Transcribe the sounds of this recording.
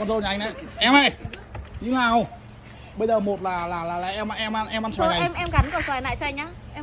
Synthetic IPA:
kɔ˧nzo˧na˨˩˨ŋnʔa˨˧˦ʔɛ˧mʔə˧˩jɲɨ˧ŋlaː˨˩ə˧˩ | ɓə˧jzəː˨˩mo˨˩t̚laː˨˩laː˨˩laː˨˩la̰ː˨˩ʔɛ˧mʔʔɛ˧mʔa˧nʔɛ˧mʔa˧nswaː˧˦˧na˨˩ɛ˧mʔɛ˧mɣa˨˦nkswaː˨˩jna̰ː˧˨jt͡ɕɔ˧ʔa˧ŋ̟ʔaː˨˦ | ʔɛ˧

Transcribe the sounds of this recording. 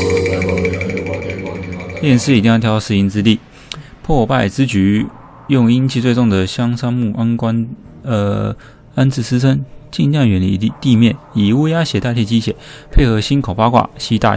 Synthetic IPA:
ljɛ˥˧nʂɻ̩˥˩i˨˩t̪i˥˧ŋjɑ˥˩t̪ʰjɑ˧˥ʊʂɻ̩˥˧i˧˥nt͡sɻ̩˥t̪i˥˩ | pʰwɔ˥˧pa˥˩ɪt͡sɹ̩˥t͡ɕy˧˥ | jʊ˥˧ŋi˥nt͡ɕʰi˥˧t͡swe˥˧ɪt͡sʊ˥˩ŋd̪ə˩ɕjɑ˥ŋsɑ˥ŋmu˥˩ʔa˥nkwa˥n | ə˧˩ | a˥nt͡sʰɹ̩˥˩sɹ̩˥t͡sʰə˥nt͡ɕi˥˧nlɑ˥˩ŋɥɛ˧˥nli˥˧t̪i˥˧mjɛ˥˩ni˨˩u˥ja˥ɕjɛ˨˥t̪a˥˧t̪ʰjɛ˥˩t͡ɕi˥ɕjɛ˨˩˦pʰe˥˩ɪxɤ˧˥ɕi˥nkʰo˨˩ʊpa˥kwa̰˥˩ɕi˥t̪a̰˥˧

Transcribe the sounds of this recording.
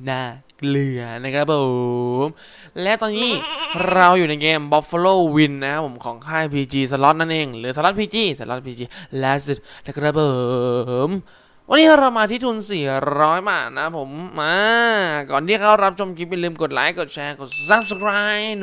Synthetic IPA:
na˧˩ | kli˨˩ɐna˦˥kʰɾa˦˥p̚ʰo˨˩m | lɛ˦˥ʔt̪ɔː˧nːiː˦˥˩ɾa˧wjuː˨˩na˧jkeː˧mbɔ˦˥fo˧loː˥˩wi˧nː˧˦kʰa˦˥pʰːo˩˦mkʰɔː˩˦ŋkʰaː˥˩jpʰiː˧t͡ɕiː˧s̬a˧lɔ˦˥t̪̚na˦˥˩nʔeː˧ŋlɯː˩˦sa˧lɔ˦˥t̪̚pʰiː˧t͡ɕiː˧˩sa˧˩lɔ˦˥t̪̚pʰiː˧t͡ɕiː˧˩lɛ˦˥si˧˩lkɾa˦˥˩pʰɤː˨˩m | wa˧nːiː˦˥kʰa˧˥˩ɾa˧wmaː˧t̪ʰiː˥˩t̪ʰuː˧nsiː˨˩ɾɔː˦˥jbaː˨˩t̪̚na˦˥pʰo˩˦mʔaː˧kɔː˨˩nt̪ʰiː˥˩kʰa˦˥˩wɾa˦˥p̚t͡ɕʰo˧mkʰi˦˥p̚ja˨lɯː˧mko˨˩t̪̚laː˦˥jko˨˩t̪̚t͡ɕʰɛː˧ko˨˩t̪̚sa˧˥p̚skʰɾaː˦˥j

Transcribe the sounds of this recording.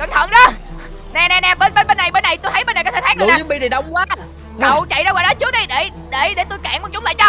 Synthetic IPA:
kə˨˧˩ŋt̪ʰə̰˧˩˦ŋzɔ˨˧˦ | nɛ˧nɛ˧nɛ˧˩ɓe˧˩nɓe˧˩nɓe˧nːa˨˩jɓe˧nːa˨˩jt̪o˧jt̪ʰə˦je˧nːa˨˩jkɔ˧˥t̪ʰːtʰaː˦˥ɗɨ˨˧˨nː˦˨ɨ˨˦ɓi˧ɗi˨˩ɗə˧wŋ͡mkwaː˨˦ | kə̰˨wt͡ɕa̰˧˨jza˧waː˧˨ɗɔ˨˦t͡ɕɨ˦ək̚ɗi˧jɗe˧˩ | ɗe˧˩ɗe˧˩˦t̪u˧jkaː˧˩˨ŋkɔ˨˧˩t͡ɕʊ˦ŋ͡mla̰ː˧˨jt͡ɕɔ˧

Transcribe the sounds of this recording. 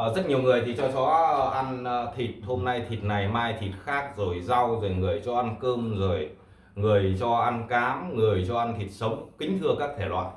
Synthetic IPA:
zə˦˥t̚ɲi˨˩əwŋɨ˨˩əjt̪ʰi˨˩t͡ɕɔ˧t͡ɕɔ˨˦˩ʔa˧nː˧t̪ʰi˨˩t̚ho˧mna˧jt̪ʰi˨˩t̚na˨˩jmaː˧jt̪ʰi˨˩t̚xaː˦˥k̚zo˨˩jza˧wzo˨˩jŋɨ˨˩əjt͡ɕɔ˧ʔa˧nkɨ˧mzo˨˩j | ŋɨ˨˩əjt͡ɕɔ˧ʔa˧nkaː˨˦mŋɨ˨˩əjt͡ɕɔ˧ʔa˧nt̪ʰi˨˩t̚sə˨˦wŋ͡mkï˨˦ŋ̟t̪ʰɨ˧əkaː˦˥k̚t̪ʰe˧˩lwa̰ː˧˨n

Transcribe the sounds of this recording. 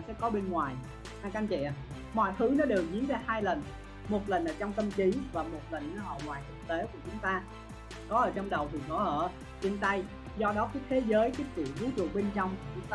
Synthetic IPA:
sɛ̰˧˥kɔ˨˦ɓe˧nŋwaː˨˩j | haː˧jka˧nt͡ɕɛ̰˧˨ | mɔ̰˧˨jt̪ʰɨ˨˦nɔ˨˦ɗe˨˩wzi˨˦ənzaː˧˩haː˧jlə˨˩n | mo˨˩t̚lə˨˩nʔəː˧˩t͡ɕɔ˧wŋ͡mt̪ə˧mt͡ɕi˨˦vaː˨˩mo˨˩t̚lə˨˩nː˨˦ʔə̰˧˩ŋwaː˨˩jt̪ʰɨ˨˩k̚t̪e˨˦ku˧˩ət͡ɕʊ˨˦ŋ͡mt̪aː˧ | kɔ˨˦ʔəː˧˩t͡ɕɔ˧wŋ͡mɗə˨˩wt̪ʰi˨˩kɔ˨˦ʔəː˧˩˨ | t͡ɕe˧nt̪a˧j | zɔ˧ɗɔ˨˦ka˨˦jt̪ʰe˨˦zəː˨˦jkaː˨˦jkɨ̰˧˩˨zɨ˨˦t͡ɕṵ˧˩˨ɓe˧nt͡ɕɔ˧wŋ͡mkt͡ɕʊ˨˦ŋ͡mt̪

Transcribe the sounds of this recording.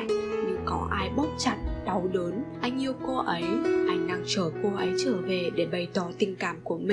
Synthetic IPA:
ŋɲɨ˧ŋkɔ˨˦ʔaː˧jɓa˦˥wk͡p̚t͡ɕa˧˩t̚ɗa˨˦wɗəː˨˦nʔa˧jŋ̟ʔi˧əwko˧ʔə˨˦jʔa˧jŋ̟na˧˩ŋt͡ɕəː˧˩ko˧ʔə˨˦jt͡ɕəː˧˩ve˨˩ɗe˧˩ɓə˨˩jt̪ɔ˨˧˩t̪ï˨˩ŋ̟kaː˧˩mku˧˩əmï˨˩

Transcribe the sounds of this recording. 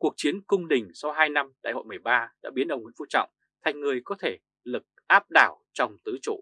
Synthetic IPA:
ku˨˩ək̚t͡ɕi˨˦ənkʊ˧wŋ͡mɗï˨˩ŋ̟sa˧wɦaː˧jna˧mɗa̰ː˧˨jho̰˧˨jmɨ˨˩əjɓaː˧ɗa̰ː˧˥ɓi˨˦nʔə˧wŋ͡mŋi˨˦nfu˧t͡ɕɔ̰˧˨wŋ͡m | t̪ʰa˨˩jŋ̟ŋɨ˨˩əjkɔ˨˦t̪ʰe˧˩ | lɨ˨˩k̚ʔaː˦˥p̚ɗaː˧˩wt͡ɕɔ˧wŋ͡mt̪ɨ˨˦t͡ɕo̰˧˨

